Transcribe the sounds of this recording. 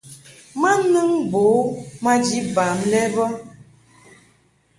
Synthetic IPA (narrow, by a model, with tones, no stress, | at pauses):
ma˦nɨ˦ŋbo˨˦ma˦d͡ʒi˦ba˨mlɛ˦bɔ˦